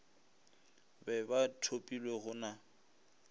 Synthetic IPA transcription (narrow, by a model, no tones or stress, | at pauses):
bɛbatʰopʼilweɣʊna